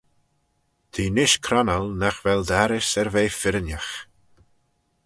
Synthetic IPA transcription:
d̪̥ʰiːnɪʃkʰɾanəlnaxvɛld̪aɾɪsɛɾveːfɪɾənʲjəx

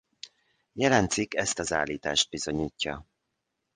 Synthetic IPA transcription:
jɛlɛnt̪sikɛst̪ɒzaːlːiːt̪a̰ːʃd̪̚bizo̞ɲiːcːɒ̰

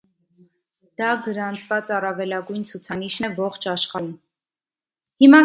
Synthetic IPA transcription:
d̪̥ɑɡəɾɑnt͡sʰvɑt͡sɑrɑvɛlɑɡujnt͡sʰut͡sʰɑniʃnɛvɔχt͡ʃʰɑʃχɑum | himɑ

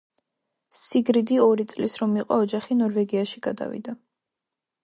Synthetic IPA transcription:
siɡɾid̪iɔɾit̪sʼlisɾɔmiqʼɔ̰ɔd͡ʒaχinɔɾvɛɡiaʃiɡad̪a̰vḭd̪a

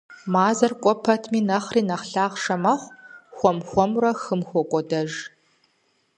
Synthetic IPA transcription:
maːzɐrkʷʼɔpʰɐtʰmiːnɐχriːnɐχɬaːʁʂɐmɐχʷxʷɔmxʷɔmrɐxɨmxʷɔkʷʼɔdɐʒ

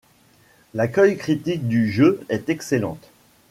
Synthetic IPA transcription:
lakœjkχit̪ik̚d̪yʒøɛt̪ɛkselɑ̰̃t̪

